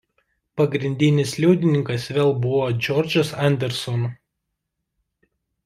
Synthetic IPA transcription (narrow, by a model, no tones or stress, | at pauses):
pɐɡɾʲɪnʲd̪ʲɪnʲɪslʲuʊd̪ʲɪnʲɪŋkɐsʋʲeːlˠbʊʋoːd͡ʒʲɔɾʲd͡ʒʲɐsɐnʲd̪ʲɛɾʲsɔn